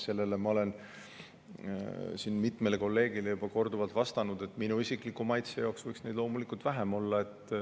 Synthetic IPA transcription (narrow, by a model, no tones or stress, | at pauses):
se̞lːe̞lemɑo̞le̞n | sinmit̪ˑmeleko̞lːe̞ːɡ̥ilejub̥ɑko̞rd̪uvɑlt̪vɑst̪ɑnud̪̥e̞t̪ːˑminuisikˑlikːumɑjt̪sejɑksvɤjksne̞jd̪lo̞ːmulikːˑult̪væɦemo̞lːɑe̞t̪ːˑ